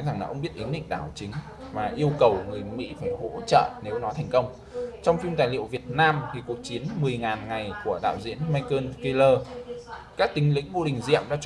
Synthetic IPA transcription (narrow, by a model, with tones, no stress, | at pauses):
za˨˩ŋlaː˨˩ʔə˧wŋ͡mɓi˦˥t̚ʔi˨˦nɗḭ˧˨ŋ̟ɗa̰ː˧˩wt͡ɕï˨˦ŋ̟ | vaː˨˩ʔi˧əwkə˨˩wŋɨ˨˩əjmḭ˧˥faː˧˩jho̰˧˥t͡ɕə̰ː˧˨ne˨˦wnɔ˨˦t̪ʰjŋ̟kə˧wŋ͡m | t͡ɕɔ˧wŋ͡mfi˧mt̪aː˨˩jlḭ˧˨əwvi˨˩ət̚naː˧mt̪ʰi˨˩ku˨˩ək̚t͡ɕi˨˦ənmɨ˨˩əjŋaː˨˩nŋa˨˩jku˧˩əɗa̰ː˧˨wzḭ˧˥ənma˧jkəː˧nki˧ləː˧ | kaː˦˥k̚t̪ï˨˦ŋ̟lḭ̈˧˥ŋ̟mo˧ɗï˨˩ŋ̟zḭ˧˨əmɗa̰ː˧˥t͡ɕ